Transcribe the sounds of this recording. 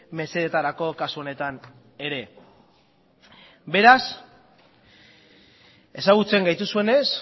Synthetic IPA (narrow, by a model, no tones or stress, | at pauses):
me̞se̞ð̞et̪aɾako̞kasuo̞ne̞t̪an | e̞ɾe̞ | be̞ɾas | e̞saɣ̞ut͡se̞ŋɡajt̪usue̞ne̞s